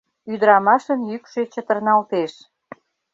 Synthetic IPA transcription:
yd̪əɾɑmɑʃənjykʃøt͡ɕət̪ə̆rnɑlt̪eʃ

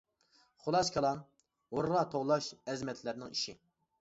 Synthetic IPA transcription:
χʊlˠɑskʲʰɑlˠɑn | oɾʁɑt̪ʰoʁlˠɑʃɛzmɛt̪ʰlɪɾnɪŋiʃi

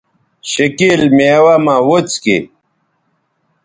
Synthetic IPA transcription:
ɕikilmeːwamawot͡skḭ

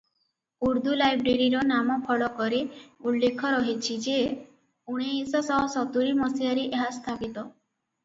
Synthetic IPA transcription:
uɾd̪ulajbɾeɾiɾɔnamɔpʰɔɭɔkɔɾeulːekʰɔɾɔɦit͡ʃʰid͡ʒe | uɽ̃eisɔsɔɦɔsɔt̪uɾimɔsijaɾiʔeɦast̪ʰapit̪ɔ

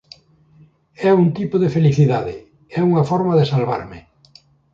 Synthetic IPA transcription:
ɛuŋt̪ipoðefeliθiðaðɪ̰ | ɛuŋɐfɔɾmaðɪsalβa̰ɾmɪ̰

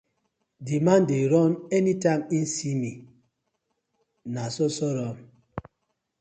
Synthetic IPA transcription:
dimandeɾɔnɛnitaŋin̩simi | nasɔsɔɾɔm

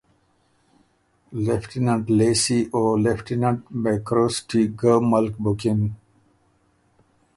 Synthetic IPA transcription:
lefʈinə̃ɳʈleːsiʔoːlefʈinə̃ɳʈmekɾoːsʈiɡəːmʌlkbokɪ̃n

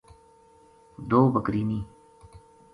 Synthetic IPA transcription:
d̪oːbɐkɾiːniː

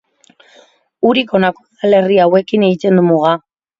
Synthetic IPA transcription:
uɾiko̞nakosale̞riawe̞kineɣit̪e̞nd̪umuɣa

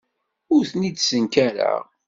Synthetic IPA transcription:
ʊɾθnid̪sənkæɾæ̰ʁ

